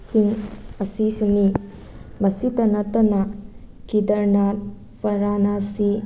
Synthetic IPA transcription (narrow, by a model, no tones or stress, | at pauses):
siŋɐsisuni | mɐsitɐnɐt̪ɐnɐkidɐɾnat̚ | pʰɐɾanasi